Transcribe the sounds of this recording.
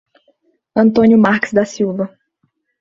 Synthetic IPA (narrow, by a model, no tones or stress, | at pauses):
ɐ̃nt̪õnjʊmaɾkɪ̥zd̪ɐsiwvɐ